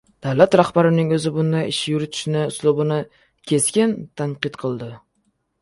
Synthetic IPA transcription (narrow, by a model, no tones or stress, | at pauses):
d̪̥awlat̪ɾahbaɾɪnɪŋɵzɪbʊnd̪aɪʃjʊɾɪt̪ʰɪ̥ʃɪnɪʊslˠʊbʊnɪ | kʲʰe̞skʲɪnt̪ʰaɴqɨt̪qʰɨlˠd̪ɪ